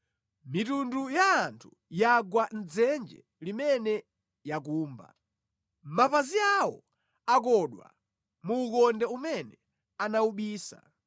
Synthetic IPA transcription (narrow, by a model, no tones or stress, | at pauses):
mitundujaːntʰu | jaɡwan̩d͡zɛnd͡ʒɛ̰ | limɛnɛ | jak̬uːmba̰ | mapaziawɔ̰ | akɔɗwa̰ | muːkɔndɛumɛnɛ | anauɓiːsa̰